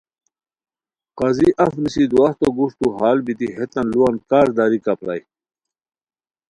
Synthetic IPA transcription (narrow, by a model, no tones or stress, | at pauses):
qɐziʔɐfnisid̪waht̪oɡuʂt̪uɦaːlbit̪iɦet̪ɐnluankaːɾd̪aɾikapɾa̰j